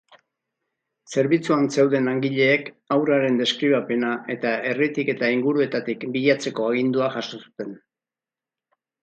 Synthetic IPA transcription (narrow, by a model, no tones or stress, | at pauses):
se̞ɾβit͡suanse̞wðe̞naŋɡiʎe̞ːk | awɾaɾe̞nd̪e̞skɾiβ̞ape̞naʔe̞t̪ae̞rit̪ike̞t̪aiŋɡuɾue̞t̪at̪ikbiʎat͡se̞ko̞aɣ̞ind̪uaʝaso̞su̥t̪e̞n